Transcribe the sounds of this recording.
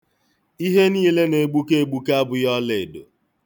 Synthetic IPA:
i˦ɦe˦niː˦le˦ne˨ɡ͡bu˦ke˦e˨ɡ͡bu˦ka˦bʊ˦jɔ˦le˨e˨do̰˨

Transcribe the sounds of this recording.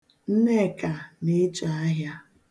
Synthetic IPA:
n̩˦ne˦˨ka˨ne˦t͡ʃa˨a˦ɦja˦

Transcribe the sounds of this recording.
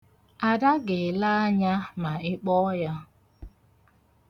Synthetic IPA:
a˨da˦ɡɪ˨la˦a˦ɲa˦ma˨ɪ˦k͡pɔ˦ja˦

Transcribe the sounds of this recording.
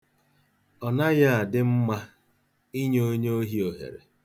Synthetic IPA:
ɔ˨na˦ja˦a˨dɪ˦m̩˦ma˦ | i˦ɲ˦o˦ɲ˦o˦ɦi˦o˨ɦḛ˨ɾḛ˨

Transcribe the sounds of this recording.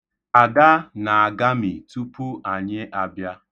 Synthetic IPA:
a˨ɡa˦na˨a˨ɡa˦mi˨tu˦pu˦a˨ɲɪ˦ʔa˨bja˦

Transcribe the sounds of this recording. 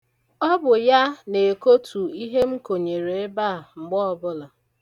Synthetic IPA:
ɔ˦bʊ˨ja˦ne˨ko˦tʰu˨i˦ɦe˦ŋ͡m̩˦ko˨ɲe˨ɾe˨e˦ba˦˨ŋ͡m̩˨ɡ͡bɔ˦ɔ˦˨bʊ˦la˨

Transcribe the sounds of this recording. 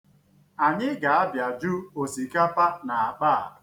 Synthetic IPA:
a˨ɲɪ˦ɡa˨a˦bja˨d͡ʒu˦o˨si˨ka˦pa˦na˨a˨k͡paː˦˨

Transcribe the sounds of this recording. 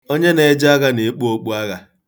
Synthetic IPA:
o˦ɲe˦ne˨˦d͡ʒɪ˦a˦ɣa˦ne˨˦k͡pu˦o˦k͡pu˦a˦ɣa˦

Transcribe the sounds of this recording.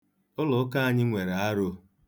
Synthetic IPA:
ʊ˦lʊ˨˦ka˦a˨ɲɪ˦ŋʷe˨ɾa˨a˦ɾo˦

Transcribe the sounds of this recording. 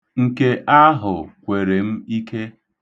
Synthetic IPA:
ŋ̩˦ke˦ʔa˦ɦʊ˨kʷe˨ɾe˨m̩˦i˦ke˦

